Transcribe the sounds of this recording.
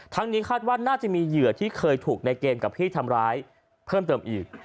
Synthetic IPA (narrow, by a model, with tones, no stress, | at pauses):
t̪ʰa˦˥ŋniː˦˥kʰaː˥˩t̪̚waː˥˩tnaː˥˩t͡ɕa˨˩miː˧jɯ˨˩ət̪ʰiː˥˩kʰɤː˧jt̪ʰuː˨˩k̚na˧jkeː˧mka˨˩p̚ʰiː˥˩t̪ʰa˧mɾaː˦˥j | pʰɤː˥˩mt̪ɤː˧mʔiː˨˩k̚